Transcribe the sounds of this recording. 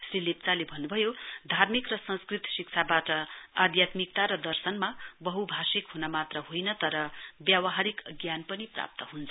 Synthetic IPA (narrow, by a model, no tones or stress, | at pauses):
srilep̚t͡salebʱʌnːubʱʌjod̪ʱarmikrʌsʌ̃nskrit̪sikt͡sʰabaʈʌad̪jat̪mikt̪aɾʌd̪ʌrsʌnmabʌɦubʱasikɦunamat̪rʌɦojnʌt̪ʌɾʌbjawʌɦaɾikʌɡjanpʌnipra̰p̚t̪ʌɦunt͡sʰʌ